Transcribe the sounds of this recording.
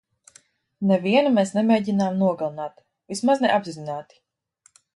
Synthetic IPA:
nɛviɛnamɛːsnɛmeːɟinaːmnuɔɡalˠanaːt̪ | vismaznɛʔabzizinaːt̪i̥

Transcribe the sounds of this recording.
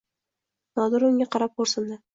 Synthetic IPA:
nɒd̪ʊɾʊŋʲaqɑɾap̚qoɾsɪnd̪ɪ

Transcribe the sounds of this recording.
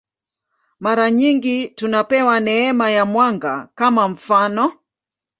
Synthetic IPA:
maɾaɲiŋɡitunapɛwanɛɛmajamwaŋɡa̰kamaɱ̩fanɔ

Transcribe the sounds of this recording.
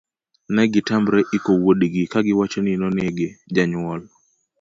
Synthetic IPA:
nɛɡɪtambɾɛʔikowoɗiɡikaɡɪwat͡ʃonɪnɔneɡed͡ʒaɲʊwɔl

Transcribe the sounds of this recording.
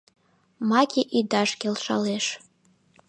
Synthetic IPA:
makʰʲiʔid̪aʃkʲelˠʃa̰leʃ

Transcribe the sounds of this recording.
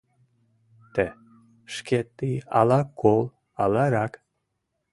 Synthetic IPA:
t̪ɛ | ʃkʲet̪ːiɑ̰lˠɑkʰːolˠ | ɑlɑɾɑk

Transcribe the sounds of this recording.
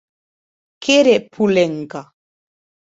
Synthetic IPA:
kʰeɾepʰulɛŋka

